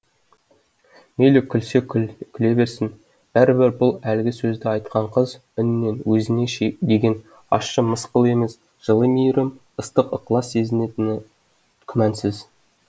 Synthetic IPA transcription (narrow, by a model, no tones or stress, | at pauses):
mejlɪkʲʰːʏlse̞kʲʰkʲʰɪle̞be̞ɾsɪn | b̥æɾɪbɪɾbʊlˠælɪɡʲɪsɵzd̪ɪɑjt̪qɑɴqʰəz | ʏnːenwɵzɪne̞ʃd̪e̞ɡʲe̞n | ɑ̰ʃːəməsqəlˠe̞me̞s | ʒ̥əlˠəmijɾɪm | əst̪əqə̰qlˠɑsːe̞zɪne̞t̪ɪn | kʲʰʏmænsɪz